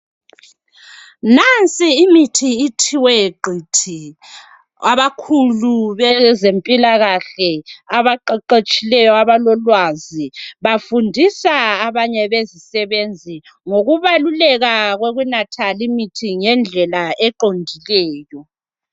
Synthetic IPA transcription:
nant͡sʼiːmitʰiːtʰiwɛjeɡ͡ǃʱitʰi | aβakʰuluβɛzempʼilaɣaɬɛaβaǃaǃet͡ʃʼilɛjɔaβalɔlwaziβafundʱisaːβaɲɛβezisɛβend͡zʱi | ŋoɣuβalulɛɣaɣweɣunatʰalimitʰiŋɛnd͡ɮʱɛlaɛǃoŋdʱilɛːjɔ

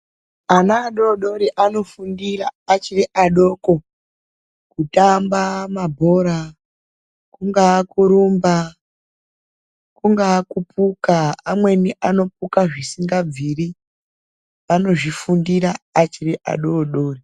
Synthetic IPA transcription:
anaːɗo̞ɗo̞ɾiʔano̞fundiraːt͡ʃiriʔaɗo̞ːko | kutambamabʱo̞ɾa | kuŋɡaːkuɾumba | kuŋɡaːkupʰukaːmwe̞niʔano̞pukaʐisiŋɡab͡viɾi | ʋano̞ʐifundiɾaːt͡ʃiriʔa̰ɗoɗo̞ːri

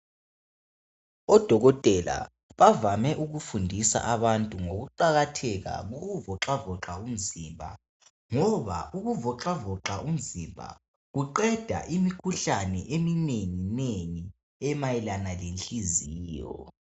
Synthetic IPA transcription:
ɔd̥ʱɔɣɔtʼɛla̰ | βavamɛʔuɣufundʱisa̰ʔaβantʼuŋoɣuǃaɣatʰɛɣa̰ɣuɣuvɔǁavɔǁaum̩zimbʱa̰ | ŋɔβa̰ʔuɣuvɔǁavɔǁaʔum̩zimbʱa̰ | ɣuǃɛd̥ʱa̰ʔimikʰuɬanɛ̰ʔemineŋineŋi | ɛmajɛlanalent͡ɬʼiziːjɔ̰

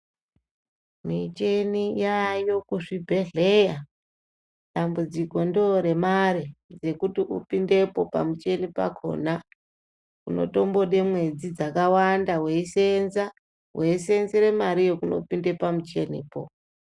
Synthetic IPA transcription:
mit͡ʃe̞nijajo̞kuʐibʱe̞ɮe̞ja | ɗambud͡ziko̞ndioɾe̞maɾid͡ze̞kutiʔupinde̞po̞pa̰mut͡ʃe̞nipa̰kʰo̞̰na | kuno̞̰to̞mbo̞ɗe̞mwe̞d͡zid͡zakawandawe̞isenza | we̞ise̞nziɾe̞maɾijo̞kuno̞̰pinde̞pamut͡ʃe̞nipo̰

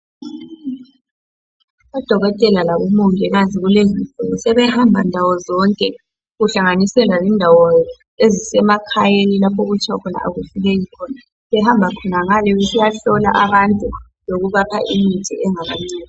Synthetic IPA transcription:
ɔd̥ʱɔɣɔtʼɛlalaβumuŋɛɣaziɣulezifʼuŋusɛβɛhambʱandʱawɔzɔŋkʼɛ | ɣuɬaŋanisɛlazindʱawɔ | ezisɛmakʰajenilapʰɔɣut͡ʃʰʼawakʰɔna̰ʔa̰ɣuɬuɣejikʰɔːna | βɛhambʱakʰɔnaɣalɛɣusijaɬɔla̰ʔaβantʼu | loɣuβapʰa̰ʔimi̥tɛ̰ɛŋaβa̰ŋ͡ǀeːni

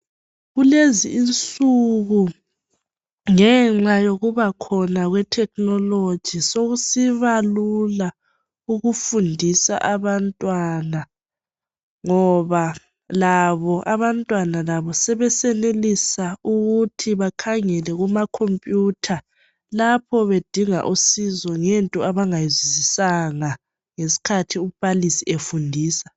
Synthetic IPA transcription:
ɣuleziːnt͡sʼuɣu | ŋɛŋ͡ǁajoɣuβakʰɔnaɣwɛtʰɛk̚ʰnɔlod̥ʒ̥ʱisoɣusiβalula | uɣufundʱisa̰ʔaβantʼwana | ŋɔβa | laβɔʔaβantʼwanalaβɔsɛβɛsɛnelisauɣutʰiβakʰaŋɛlɛɣumakʰompʼjutʰa | lapʰɔβed̥ʱiŋa̰ʔusizɔŋɛntʼɔaβaŋajizizisaŋa | ŋesi̥kʰatʰiub̥ʱalisiʔefundʱiːsḁ

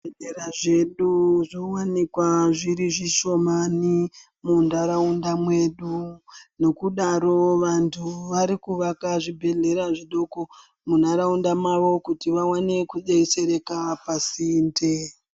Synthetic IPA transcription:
eeɾaʐe̞ɗuʐiwanikwaʐiɾiʐiʃo̞mani | mundaɾaundamwe̞ɗuno̞kuɗaɾo̞ʋantʰuʋaɾikuʋakaʐibʱe̞ɮe̞ɾaʐiɗoko | mun̤aɾaundamaʋo̞kutiʋawanekuɗeise̞ɾe̞kapasinde

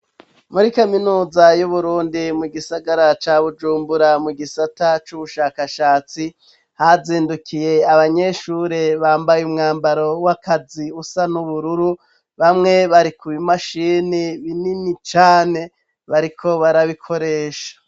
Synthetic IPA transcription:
muɾikaminuːzajuβuɾuːndimuɡisaɡaɾat͡ʃaːβud͡ʒuːmbuɾamuɡisatat͡ʃuβuʃaːkaʃaːt͡si | haziːndukʰije̞aβaɲe̞ʃuːɾe̞βaːmbajumŋaːmbaɾo̞wakʰaziusanuβuɾuɾu | βamŋe̞βaɾikuβimaʃiːniβininit͡ʃaːne̞ | βaɾikʰo̞βaɾaβikʰo̞ɾe̞ːʃḁ

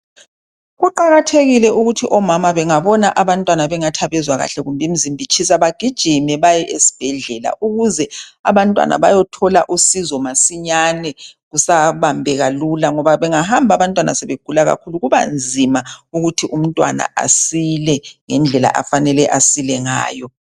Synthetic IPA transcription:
ɣuǃaɣatʰeɣilɛuɣutʰiʔɔmamaβɛŋaβɔnaʔaβantʼwanaβɛŋatʰaβɛzwaɣa̰ɬɛɣumbʱim̩zimbʱit͡ʃʰis̬aβaɡ̥ʱid̥ʒ̥ʱimɛβajɛʔesi̥b̥ʱɛɮɛla̰ʔuɣuzɛa̰βantʼwa̰nʔa̰βajɔtʰɔlaʔusizɔmasiɲanɛɣusaβambʱɛɣalulaŋɔβaβɛŋahambʱaβantʼwana̰sɛβeɡ̥ʱulaɣa̰kʰuluɣuβa̰nd͡zʱimauɣutʰiʔum̩tʼwa̰na̰ʔa̰silɛŋɛnd͡ɮʱɛla̰ʔa̰fanɛlɛʔasilɛŋa̰ːjɔ

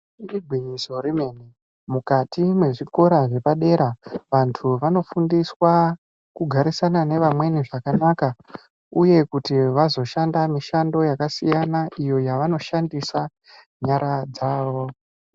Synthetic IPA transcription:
riɡʱwiɲiso̞ɾime̞ni | mukatimwe̞ʐiko̞ɾaʐe̞paɗe̞ɾaʋantʰuʋano̞fundiswa | kuɡʱaɾisanane̞ʋamwe̞niʐakanaka | uje̞kutiʋazo̞ʃandamiʃando̞jakasijanaijo̞jaʋano̞ʃandisa | ɲaɾad͡zaːʋo̞

